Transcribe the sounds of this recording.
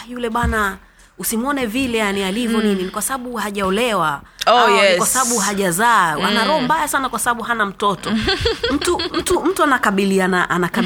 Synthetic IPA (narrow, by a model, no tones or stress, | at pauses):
julɛɓwana | usimɔnɛvilɛjanialivjɔnininikwasaɓaɓuhaʄaɔlɛwaoajɛkwasabaɓuɦaʄazawanaɾɔhɔmbajasanakwasaɓaɓuɦanam̩tɔtɔm̩tum̩tum̩tuanakaɓilianaʔanaka